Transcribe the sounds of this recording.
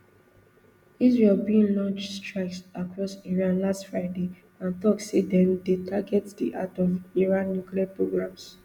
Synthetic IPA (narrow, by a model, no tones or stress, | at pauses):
izɹelbiĩnlɔ̃nt͡ʃstɹaɪksakɹɔsiɹãnlastfɹaɪde | ãntɔksedɛ̃mdetʰaɡɛtdḭʔatɔviɹãnːjukliapɹoɡɹãms